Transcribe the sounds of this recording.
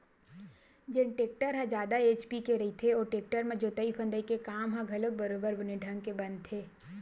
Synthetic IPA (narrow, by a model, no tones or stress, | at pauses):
d͡ʒɪnʈeːk̚ʈəɾɦɛ̃d͡ʒjaːd̪aeːt͡ʃpikeɾɐit̪ʰeɔːɾʈeːk̚ʈəɾmẽd͡ʒoːt̪əipʰə̃nd̪əikekaːmɦãɡʱɐlək̚bɐɾoːbəɾbʊneɖʱɐ̃ŋɡ̚kebɐ̃nd̪̚t̪ʰeː